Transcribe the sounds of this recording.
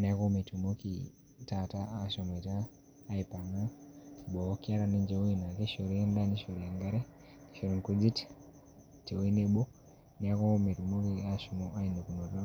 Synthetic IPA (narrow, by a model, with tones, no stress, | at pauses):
ni˨a˦ko˦me˨tu˨mo˦kḭ | ta˨taː˦˨ʃɔ˨me˨taː˦˨ | ipa˨na˦ɓɔ˨˦ki˦a˦ɾa˦ne˦nd͡ʒe˦wi˦na˨ke˦ʃo˨ɾi˦e˦nda˦ni˦ʃo˨ɾi˨a˨ŋɡa˦ɾe˦ | ni˨ʃo˨ɾi˨ŋku˦d͡zi˦t | te˨wi˦ne˦ɓɔ˦ | ni˨a˦ko˦me˨tu˨mo˦ki˨a˨ʃu˨mo˦ʔa˦i˨no˨ku˨no˨ɾa˦